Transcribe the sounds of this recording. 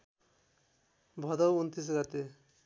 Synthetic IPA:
bʱʌd̪ʌwunt̪is̬ɡʌt̪e

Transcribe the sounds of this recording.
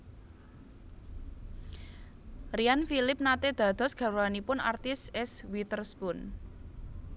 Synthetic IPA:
rianfilɪp̚nat̪ed̪̥ä̤d̪̥ɔ̤sɡ̥a̤ɾuanipʊna̰rt̪ɪsɛswit̪ərsbʊn

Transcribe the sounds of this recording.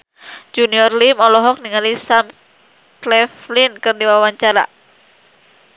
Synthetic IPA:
d͡ʒuniɔrlimɔlɔɦɔk̚niŋalisam | klɛflinkɨrdiwawaɲt͡ʃaɾa̰

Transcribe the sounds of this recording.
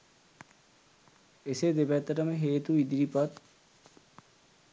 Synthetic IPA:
esed̪epæt̪ːəʈəmeɦeːt̪uid̪iɾipat̪

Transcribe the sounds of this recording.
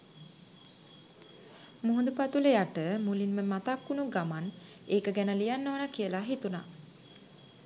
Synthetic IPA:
muɦund̪upat̪uləjaʈəmulinməmat̪akːunuɡaman | eːkəɡænəlijanːəʋənakijəlaɦit̪una̰

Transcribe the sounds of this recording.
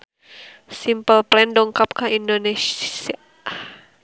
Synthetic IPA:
simpəlplɛndɔŋkap̚kaindonessa

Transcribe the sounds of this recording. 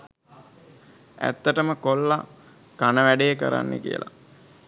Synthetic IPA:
æ̰t̪ːəʈəməkolːa | kanəʋæɖejəkəɾa̰nːḛkijə̰la

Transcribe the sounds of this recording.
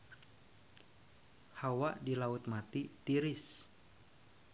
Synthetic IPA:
hawaʔdilaʊt̪̚mat̪it̪iɾɪs

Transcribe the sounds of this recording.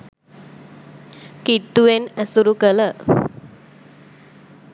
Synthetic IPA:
kiʈːuenəsuɾukələ

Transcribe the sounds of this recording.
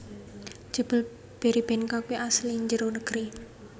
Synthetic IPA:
ʒ̥ə̤b̥ə̤l | b̥e̤ɾib̥ɛ̤nkakuiʔasliɲd͡ʒəɾonəɡ̥əɾi

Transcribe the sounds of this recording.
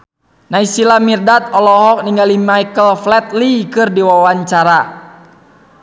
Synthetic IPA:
naisilamirdat̪̚ɔlɔɦɔk̚niŋɡalimaikəlflɛt̪̚likɨrdiwawaɲt͡ʃaɾa

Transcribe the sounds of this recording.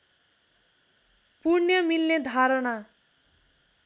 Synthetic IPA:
purnjʌmilned̪ʱaɾʌna

